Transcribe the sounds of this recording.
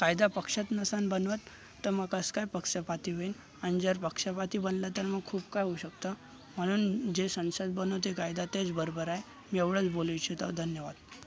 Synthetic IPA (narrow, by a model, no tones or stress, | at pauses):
kajd̪apəkʂat̪nəsanbənʋat̪ː | əɾməɡəskajpəkʂəpat̪iːʋen | aɽ̃id͡zəɾpəkʂapat̪iːbənlat̪əɾməɡ̚kʰuːbkajɦouɕəkt̪a | m̤əɽ̃uːnd͡ʑesə̃nsad̪̚bənoʋt̪ekajd̪at̪et͡sbəɾobəɾaj | mieʋɽət͡sboləjt͡ɕit̪a̰d̪ʱənjəʋad̪̥